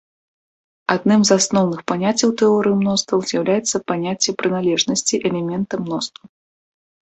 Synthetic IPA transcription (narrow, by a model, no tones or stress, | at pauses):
ad̪̚nɨmzasnɔwnɨxpanʲat͡sʲːɐwt̪ɛɔɾɨjimnɔst̪vɐwzʲjɐwlʲajɛt̪sːɐpanʲat͡sʲːɛpɾɨnalʲɛʐnɐsʲt͡sʲiʔɛlʲɛmʲɛnt̪ɐmnɔst̪vɐw